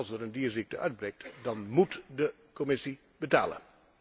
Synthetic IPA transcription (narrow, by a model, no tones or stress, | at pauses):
lˠsəɾəndiːəɹzik̚təʔœɥd̚brɛjk̚tdɑnmutdə | komɪsi | bəta̰ːlə̰